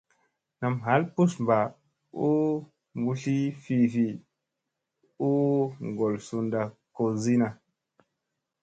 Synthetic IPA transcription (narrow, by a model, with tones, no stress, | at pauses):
na˨mɦa˨˦lpu˦smba˨ | u˦ | mbu˧ɬi˦fi˧˨fi˨ | u˦ŋɡo˨lsu˧nda˨ko˨zi˦na˨